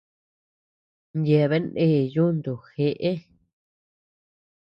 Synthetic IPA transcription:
nje˨βe˦nẽ˦˨ju˦nd̪u˨xe˧ʔe˦

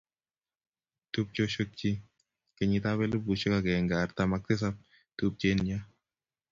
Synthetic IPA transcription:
tu˦p̚t͡ʃo˦ʃo˦k̚t͡ʃi˦ | ke˨ɲi˧t̪a˦wɛ˦lu˦bu˨ʃo˦ka˨ɡɛ˨ŋɡa˨rt̪a˨mak̚tɪ˦s̬a˦p̚ | t̪u˦p̚t͡ʃe˦nɲa˦

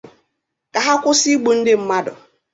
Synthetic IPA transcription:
ka˨ɦa˦kʷʊ˦si˦ɡ͡bo˨n̩˦dɪ˦m̩˦ma˦dʊ̰˨

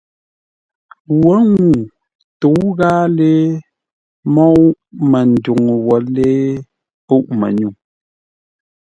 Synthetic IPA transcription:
wɔ˨˦ŋu˨ | to˨˦ɣaː˦le˦ | mɔ˦ʔmə˨n̩˨du˨ŋ˨wɔ˨leː˦ | u˦ʔmɛ˨ɲu˨

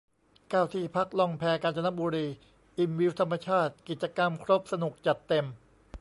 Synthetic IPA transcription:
kaː˧˩wt̪ʰiː˧˩pʰa˦˥k̚lɔ˧ŋpʰɛː˧˥kaː˧nt͡ɕa˧na˥buː˧ɾiː˧ | ʔi˧mwi˦˥wt̪ʰa˧mːa˧t͡ɕʰaː˥˩t̪̚ki˨˩t̪̚t͡ɕa˧ka˧mkʰɾo˦˥p̚sa˧nu˨˩k̚t͡ɕa˨˩t̪ːe˧m

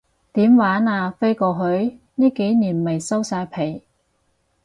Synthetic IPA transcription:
t̪iː˨˥mwaː˨˥naː˧fe˥jkɔː˧ɦɵ˨˥ɥ | niː˥ke˨˥jniː˨˩nmɐ˨˩jsɐ˥wsaː˧jpʰe˨˩j

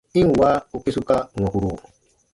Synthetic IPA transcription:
i˦n˨wa˦u˦ke˦su˦ka˦˨wã˨ku˨ɾu˨

